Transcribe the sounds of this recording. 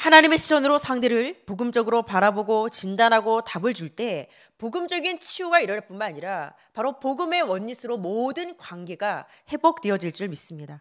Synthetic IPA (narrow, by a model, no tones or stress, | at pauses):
hanaɲime̞ɕʰiwʌnɯɾosʰaŋdeɾɯɭpoɡɯmd͡ʑʌɡɯɾopaɾaboɡot͡ɕindanɦaɡotabɯɭd͡ʑuɭt͈e̞ | poɡɯmd͡ʑʌɡint͡ɕʰiuɡaiɾʌɾep͈unmanaɲiɾa | paɾopoɡɯme̞wʌɲːisʰɯɾomodɯnkwanɡe̞ɡahe̞bok̚t͈wiʌd͡ʑiɭt͡ɕ͈iɾɯɭmis͈ɯmɲida